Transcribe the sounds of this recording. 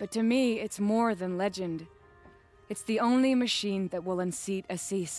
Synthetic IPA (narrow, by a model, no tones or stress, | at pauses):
b̥ʌtʰɨmiɪtsmɔɹðɨ̃nlɛd͡ʒɨ̃nd | ɨtsðiõʊ̃nlimɨʃĩnðɨt̚wɪlˠə̃nsiɾɨsis